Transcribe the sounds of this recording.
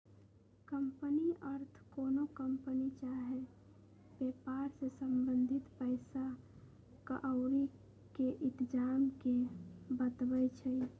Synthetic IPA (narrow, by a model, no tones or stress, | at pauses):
kəmpəniəɾt̪ʰkoːnokəmpənit͡ʃaɦe | bepaɾsesəmbənd̪ʱit̪pəɪsa | kəʔəʊɾi | keʔɪt̪d͡ʒaːmkebət̪bət͡ʃʰəi